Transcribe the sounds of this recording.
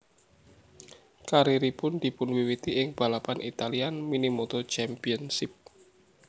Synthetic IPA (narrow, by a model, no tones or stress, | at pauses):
kaɾiɾipʊnd̪̥i̤pʊnwiwit̪iʔɪŋb̥a̤lapanʔit̪alianminimot̪ot͡ʃɛmpiənsɪp̚